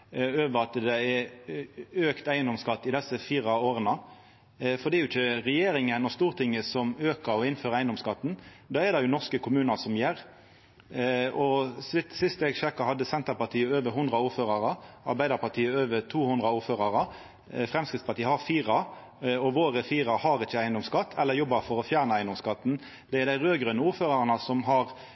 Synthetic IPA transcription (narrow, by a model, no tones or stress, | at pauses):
øːʋəɾɑt̪d̪ɛɛɾ | øːkt̪æɪənd̪ɔmskɑt̪ːɪd̪ɛsːəfiːʁɑoːɾənə | fɔd̪ɛɾjʊɪçəʁɛjeːɾɪŋənɔst̪uːʁt̪ʰɪŋːəsɔmøːkəɾɔɪnføːʁæɪənd̪ɔmskɑt̪ːn | d̪ɑːɛɾd̪ɛjʊnɔʁskəkʰʊmʉːnɑsɔmjɛɾ | ɔsɪt̪sɪst̪ɛɡçɛkːɑɦɑd̪ːəsɛnt̪əpɑt̪ʰiːəøːʋəɾɦʊnd̪ɾɑuːɾføːɾɑʁɑɑ̰ɾbæɪd̪əɾpɑʁt̪ʰiːəøːʋət̪ʰuːhʊnd̪ɾɑuːɾføːʁɑɾə | fʁɛmskɪt̪spɑt̪iːəhɑɾfiːʁɑ | ɔʋoːɾəfiːɾɑhɑɾɪt͡ʃːəæɪənd̪ɔmskɑt̪ːʰɛlːəɾjɔbːɑfɔɾɔfjæːʁnəæɪnd̪ɔmskɑt̪ːn̩ | d̪ɛɛɾd̪æɪʁøːɡɾœnəuːɾføːɾɑʁɑnɑsɔmɦɑʁ